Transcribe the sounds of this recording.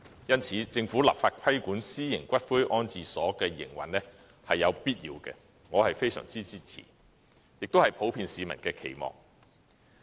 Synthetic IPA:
jɐ˥nt͡sʰiː˨˥t͡sɪ˧ŋfuː˨˥la̰ː˨˩p̚faː˧t̚kʷʰɐ˥jkuː˨˥nsiː˥jɪ˨˩ŋkʷɐ˥t̚fɵ˥jʔɔː˥nt͡siː˨sɔː˨˥kɛː˧jɪ̰˨˩ŋwɐ̰˨˩nlɛ˥ | hɐ˨jːɐ˨˧wpiː˥t̚jiː˨˧wkɛ̰ː˧ | ŋɔː˨˧hɐ˨jfe˥jsœ̰ː˨˩ŋt͡siː˥t͡siː˥t͡sʰḭ˨˩ | jɪ˨k̚t̪whɐ˨jpʰo˨˥wpʰiː˧nsiː˨˧mɐ̰˨˩nkɛː˧kʰe˨˩jmɔ̰ː˨˩ŋ

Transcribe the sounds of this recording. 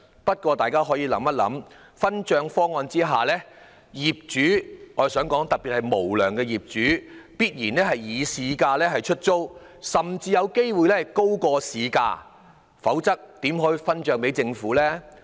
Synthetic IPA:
pɐ˥t̚kʷɔː˧t̪aː˨jkaː˥ɦɔː˨˥jiː˨˧lɐ̰˨˥mːɐ˥t̚lɐ̰˨˥m | fɐ˥nt͡ʃœː˧ŋfɔː˥ŋɔː˧nt͡siː˥ɦaː˨lɛː˥ | jiː˨p̚t͡ʃyː˨˥ŋɔː˨˧sœː˨˥ŋkɔː˨˥ŋt̪ɐ˨k̚piː˨t̚hɐ˨jmo˨˩wlœː˨˩ŋkɛː˧jiː˨p̚t͡ʃyː˨˥piː˥t̚jiː˨˩nɛː˥ɦɐ˨jjiː˨˧siː˧kaː˧lɛː˥ɦɐ˨jt͡ʃʰɵ˥t̚t͡so˥w | sɐ˨mt͡siː˧jɐ˨˧wke˥jwu˨jlɛ˥hɐ˨˩jko˥wkɔː˧siː˨˧ka̰ː˧ | fɐ˨˥wt͡sɐ˥k̚t̪iː˨˥mɦɔː˨˥ji˨˧fɐ˥nt͡ʃœː˧ŋpe˨˥jt͡sɪ˧ŋfuː˨˥lɛː˥

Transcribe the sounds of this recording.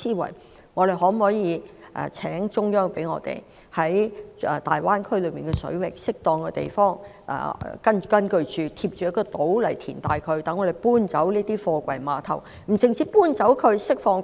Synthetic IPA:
siː˥wɐ̰˨˩j | ŋɔː˨˧ɾe˨jɦɔː˨˥m̩˨hɔː˨˥jiː˨˧˥ʔɛ̰ː˨t͡sʰɛː˨˥ŋt͡ʃʊ˥ŋjœː˥ŋpe˨˥jŋɔ̰ː˧t̪ḛ˨j | hɐ˨˥jɛ˨t̪a̰ː˨jwaː˥nkʰɵ˥ɥlɵ˨˧ɥmiː˨˩nkɛː˧sɵ̰˨˥ɥwɪ˨k̚sɪ˥k̚t̪ɔː˧ŋkɛ˧t̪ḛ˨˩jfɔː˥ŋ | ʔɛ̰ː˨˩kɐ˥nkɐ˥nkɵ˧ɥt͡ʃyː˨˧t̪ʰiː˧p̚t͡ʃyː˨˥jɐ˥kɔː˧t̪o˨˥wlɐ˨˩jt̪ʰḭː˨˩nt̪aː˨jkʰɵ˨˧ɥt̪ɐ˨˥ŋɔ˨˧ɾe˨˩jpuː˥nt͡sɐ˨˥wniː˥t̪iː˥fɔː˧kʷɐ˨˩jmaː˨˧t̪ʰɐ̰˨˩w | m̩˨˩t͡sɪ˨ŋt͡siː˧˥puː˥nt͡sɐ˨˧˥wkʰɵ˨˧ɥsɪ˥k̚fɔː˧ŋ

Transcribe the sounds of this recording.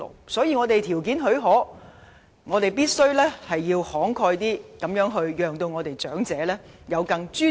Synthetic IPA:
lo̰˨˩wsɔː˨˥jiː˧ŋɔː˨˧t̪e˨jt̪ʰi˨˩wk̬iː˨˥nɦɵ˨˥ɥɦɔː˨˥ | ŋɔː˨˧t̪e˨jpiː˥t̚sɵ˥ɥlɛː˥hɐ˨jːiː˧whɔː˨˥ŋkʰɔː˧jt̪iː˥kɐ˨˥mjœː˨˥ŋɦɵ˧ɥjœː˨ŋt̪o˧wŋɔː˨˧t̪e˨jt͡sœː˨˥ŋt͡sɛː˨˧˥lɛː˥ | jɐ˨˧wkɐ˧ŋt͡ʃyː˥

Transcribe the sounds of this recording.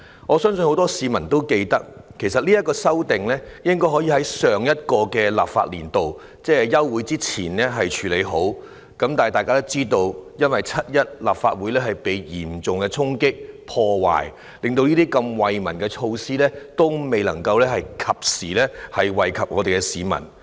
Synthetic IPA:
ŋɔː˨˧sœː˥ŋsɵ˧nho˨˥wt̪ɔː˥siː˨˧mɐ˨˩nt̪o˥wke˧jt̪ɐ˥k̚kʰe˨˩sɐ˨t̚liː˥jɐ˥kɔː˧sɐ˥wt̪ɪ˨ŋlɛː˥jɪ˥ŋkɔː˥jɦɔː˨˥jiː˧ɦɐ˨˥jsœː˨ŋjɐ˥t̚kɔː˧kɛː˧la̰ː˨p̚fa̰ː˧t̚lḭː˨˩nt̪o˨w | t͡sɛː˥˨jɐ˥wːuː˨˥jt͡siː˥t͡sʰiː˨˩nlɛː˥ɦɐ˨jt͡ʃʰyː˨˥le˨˧jɦo˨˥w | kɐ˨˥mt̪aː˨jt̪aː˨jkaː˥t̪o˥wt͡siː˥t̪o˧wjɐ˥nwɐ˨jt͡sʰɐ˥t̚jɐ˥t̚la̰ː˨p̚faː˧t̚wu˨˥jlɛː˥ɦɐ˨jpe˨˥jjiː˨˩mt͡sʊ˨ŋkɛ˧t͡sʰʊ˥ŋkɪ˥k̚pʰɔː˧wa̰ː˨˩j | lɪ˨ŋt̪o˧wliː˥t̪iː˥kɐ˧mwɐ˨jmɐ̰˨˩nkɛ˧t͡ʃʰo˧wsiː˥lɛː˥t̪o˥wme˨jlɐ̰˨˩ŋkɐ˧wlɛː˥hɐ˨jkʰɐ˨p̚siː˨˩lɛː˥hɐ˨jwɐ˨jkʰɐ˨p̚ŋɔː˨˧t̪e˨jkɛ˧siː˨˧mɐ̰˨˩n

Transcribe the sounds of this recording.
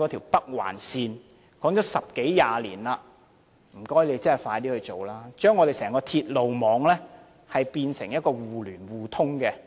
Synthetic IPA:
ɔː˨˥t̪ʰiː˨˩wpɐ˥k̚wa̰ː˨˩nsiː˧n | kɔː˨˥ŋt͡ʃɔː˨˥sɐ˨p̚ke˨˥jjaː˨˧liː˨˩nlaː˧ | m̩˨˩kɔː˥jle˨˧jt͡sɐ˥nhɐ˨˩jfaː˧jt̪iː˥hɵ˧t͡ʃo˨˩wlaː˥t͡ʃœː˥ŋːɔ˨˧e˨jsɛː˨˩ŋkɔː˧t̪ʰiː˧t̚lo˨wmɔː˨˧ŋlɛː˥ | hɐ˨jpiː˧nsɪ˨˩ŋjɐ˥t̚kɔː˧wuː˨lyː˨˩nwuː˨˩t̪ʰʊ˥ŋkɛ˧

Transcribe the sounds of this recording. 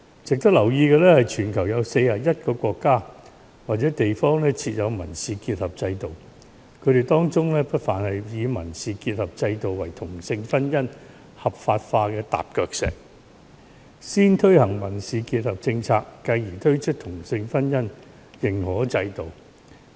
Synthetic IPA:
t͡sɪ˨k̚t̪ɐ˥k̚lɐ˨˩wjiː˧kɛː˧lɛː˥hɐ˨jt͡ʃʰyː˨˩nkʰɐ˨˩wjɐ˨˧wse˧jaː˨˩jɐ˥t̚kɔː˧kʷɔː˧kːaː˥ | waː˨t̚t͡sɛː˨˥t̪e˨jfɔː˥ŋlɛː˥t͡sʰiː˧t̚jɐ˨˧wmɐ˨˩nsiː˨kiː˧t̚hɐ˨p̚t͡sɐ˧jt̪o˨w | kʰɵ˨˧ɥt̪e˨˩jt̪ɔː˥ŋt͡sʊ˥ŋlɛː˥pɐ˥t̚faː˨˩nhɐ˨jjiː˨˧mɐ̰˨˩nsiː˨kiː˧t̚hɐ˨p̚t͡sɐ˧jt̪o˨wːɐ˨˩jt̪ʰʊ˨˩ŋsɪ˧ŋfɐ˥njɐ˥n | hɐ˨p̚faː˧t̚faː˧kɛː˧t̪a̰ː˨p̚kœː˧k̚sɛ̰ː˨˩k̚ | siː˥nt̪ʰɵ˥ɥhɐ˨˩ŋmɐ˨˩nsiː˨˧kiː˧t̚hɐ˨˩p̚t͡sɪ˧ŋt͡sʰaː˧kːɐ˧jjiː˨˩t̪ʰɵ˥ɥt͡ʃʰɵ˥t̚t̪ʰʊ˨˩ŋsɪ˧ŋfɐ˥njɐ˥n | jɪ˨˩ŋhɔː˨˥t͡sɐ˧jt̪o˨w

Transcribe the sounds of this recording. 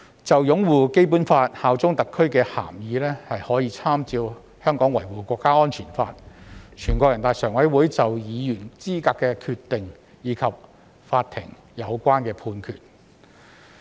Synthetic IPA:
t͡sɐ˨wjʊ˨˥ŋwuː˨ke˥jp̬uː˨˥nfaː˧t̚haː˨wt͡sʊ˥ŋt̪ɐ˨kʰːɵ˥ɥkɛː˧ha̰ː˨˩mjiː˨˧˥lɛː˥hɐ˨jhɔː˨˥jiː˧t͡sʰaː˥mt͡siː˧w | hœː˥ŋkɔː˨˥ŋwɐ˨˩jwuː˨˩kʷɔː˧kːaː˥ɔː˥nt͡ʃʰiː˨˩nfa̰ː˧t̚t͡ʃʰyː˨˩nkʷɔː˧kjɐ˨˩nt̪aː˨jsœː˨˩ŋwɐ˨˥jwuː˨˥jt͡sɐ˨wjiː˨˧jyː˨˩nt͡siː˥kaː˧kːɛː˧kʰyː˧tt̪ːɪ˨ŋ | jiː˨˧˥kʰɐ˨p̚ | faː˧t̚t̪ʰɪ̰˨˩ŋ | jɐ˨˧wkʷaː˥nkɛː˧pʰuː˧nkʰy̰ː˨˩t̚

